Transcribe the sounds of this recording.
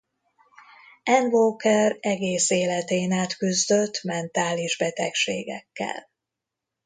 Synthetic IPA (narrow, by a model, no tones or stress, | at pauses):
ɛnvoːkɛrɛɡeːseːlɛt̪eːnaːt̪kyzd̪ø̞t̪ːmɛnt̪aːliʒbɛt̪ɛkʃeːɡɛkːɛ̰l